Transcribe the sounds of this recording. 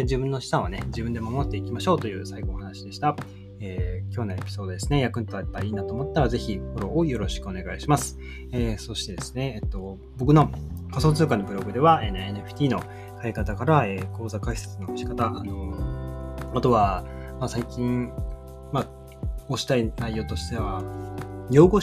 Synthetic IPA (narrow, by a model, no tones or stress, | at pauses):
d͡ʑibɯ̟̃nːo̞ɕi̥sãɰ̃ane̞d͡ʑibɯ̃nd̪e̞mamo̞t̪ːe̞ikʲimaɕo̞ːt̪o̞jɯ̟ːsaiɡo̞ːhanaɕid̪e̞ɕi̥t̪a | eːkʲo̞ːnae̞̰pʲi̥so̞ːd̪od̪e̞sɨ̥nejakɯ̟nt̪oaepːaiːnat̪oːmo̞t̪ːaɾaze̞çipoɾo̞ːjo̞ɾo̞ɕi̥kɯ̟o̞ne̞ɡaiɕimasɨ̥ | eso̞ɕi̥t̪e̞d̪e̞sɨ̥ne̞ːt̪ːo̞ | bo̞kɯ̟no̞kaso̞ːt͡sɨːkanːo̞bɯ̟ɾo̞ɡɯ̟d̪e̞βaeneneɸɯ̥t̪ʲiːno̞ | kaikat̪akaɾaeːko̞ːzakaiset͡sɨno̞kɕi̥kat̪aʔano̞ | at̪o̞βamasaikʲĩŋ | ma | oɕi̥t̪ainaijo̞ːt̪o̞ɕi̥t̪e̞βa | jo̞ːɡo̞